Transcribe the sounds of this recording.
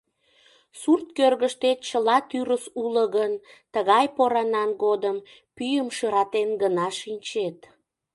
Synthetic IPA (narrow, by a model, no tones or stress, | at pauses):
surt̪kørɣəʃt̪et̪̚t͡ɕəlɑt̪yɾəsuləɣənt̪əɣɑjpoɾɑnɑnɡod̪əm | pyjəmʃəɾɑt̪enɡənɑʃinʲt͡ɕet̪